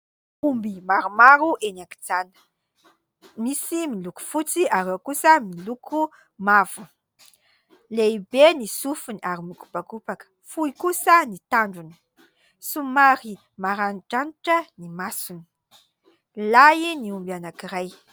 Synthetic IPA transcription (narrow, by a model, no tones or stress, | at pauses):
umbimaɾumaɾuʔenaki̥d͡zanə̥ | misimiluku̥fut͡siaɾewkusəmilukʰu | mavu | leibenisufuniʔaɾimiku̥pakupakə̥fuikusənit̪aɳɖ͡ʐuni̥ | sumaɾi | maɾaniʈ͡ʂaniʈ͡ʂənimasuni̥ | lajiniumbianakiɾaj